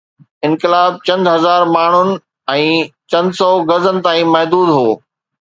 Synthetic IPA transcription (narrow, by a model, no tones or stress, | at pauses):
ɪ̃nkɪlaːb̚t͡ɕɐ̃nd̪ɦɐzaːɾmaːɳ̤ʊnɪ̆ | ɛ̃ːt͡ɕɐ̃nd̪sɔːɣɐzənɪ̆t̪ãːĩmɐɦd̪uːd̪ɦoː